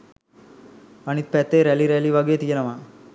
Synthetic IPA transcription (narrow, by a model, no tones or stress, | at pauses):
ɐnit̪̚pɛt̪ːeːɾɛliɾɛliʋaɡeːt̪ijenɐʋa